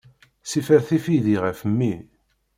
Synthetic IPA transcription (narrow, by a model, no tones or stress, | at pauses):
sifəɾθifiðiʁəfəmːi